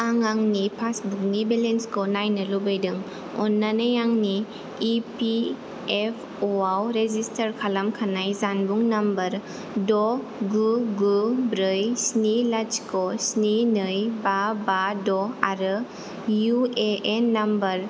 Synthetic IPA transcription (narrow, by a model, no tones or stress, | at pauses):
aŋaŋnipʰasbuŋnibelenskonajnɐlubɯjdɯŋ | ɔ̰nːanajaŋniː | pi | epʰ | oawɾezistʰɐɾkʰalamkʰanajzanbuŋnambɐɾ | dɔ | ɡuɡubɾɯjsnilad͡ʒkosninɯjbabadɔaɾɯ | jueenːambɐɾ